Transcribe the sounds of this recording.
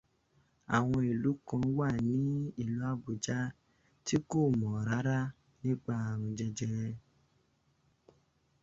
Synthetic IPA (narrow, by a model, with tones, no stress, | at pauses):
a̰˨w̃ɔ̃˧i˨lu˨˦kã˧wa˦˨nĩ˨˦i˦˨lu˨˦a˦˨bu˨d͡ʒa˦ | ti˦ko˦˨mɔ̃˨ɾa˨˦ɾa˦ | nĩ˦ɡ͡ba˧a˨ɾ̃ũ˧d͡ʒɛ˧d͡ʒɛ˧ɾɛ̃˧